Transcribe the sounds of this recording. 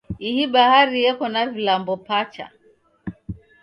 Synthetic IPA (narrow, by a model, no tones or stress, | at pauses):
ihiɓahaɾijɛkɔnavilambɔpat͡ʃa̰